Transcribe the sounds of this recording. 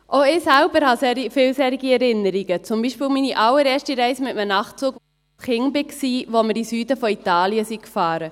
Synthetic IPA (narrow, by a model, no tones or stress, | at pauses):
ʔoɪːsæʊbəɾhɑsɛɾifɪːlsɛːɾiɡiɛɾɪnəɾiɡət͡sʊmbiːʃpɪːlminiʔɑlːəɾɛːʃtiɾɛɪsəmɪtmənɑχt͡suːk | sχɪŋbɪksiːʋoməɾisyːdəfɔit̪ɑːliəsikfɑːɾə